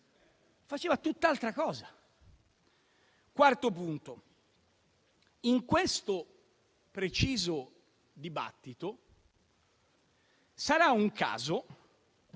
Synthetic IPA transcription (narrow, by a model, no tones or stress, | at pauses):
fat͡ʃeːvat̪ut̪ːalt̪ɾakɔːza | kwart̪opunt̪o | iŋkwest̪o | pɾet͡ʃiːzo | d̪iba̰t̪ːit̪o | saɾauŋka̰ːzo